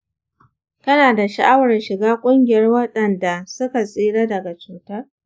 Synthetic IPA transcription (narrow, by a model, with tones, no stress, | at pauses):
kɐ˦naː˨da˨ʃa˨ʔa˦wɐ˨rʃɪ˨ɡaː˦kʷʼʊ˦ŋɡʲɪ˨jɐ˦rwɐ˦ɗɐ˨nda˨sʊ˦ka˨sʼiː˦ɽaː˦dɐ˨ɡa˨t͡ʃuː˨tɐ˦r